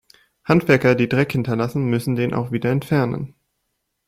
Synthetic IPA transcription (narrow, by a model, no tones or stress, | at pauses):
hantv̥ɛɐkɐdiːdʁɛkhɪntɐlasn̩mʏsn̩deːnʔa̰ʊxv̥iːdɐɛntfɛɐnə̰n